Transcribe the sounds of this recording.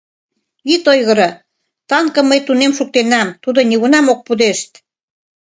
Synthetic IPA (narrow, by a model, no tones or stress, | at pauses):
it̪ojɣə̆ɾɤ̆ | t̪ɑŋkɤ̆məjt̪unemʃuk̚t̪enɑmt̪ud̪ŏnʲiɣunɑmok̚pud̪eʃt̪